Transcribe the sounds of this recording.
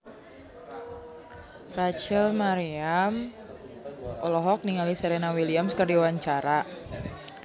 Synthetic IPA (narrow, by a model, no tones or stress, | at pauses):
rat͡ʃɛlmaɾiam | ɔlɔɦɔk̚niŋaliseɾenawiliamskərdiwaɲt͡ʃaɾa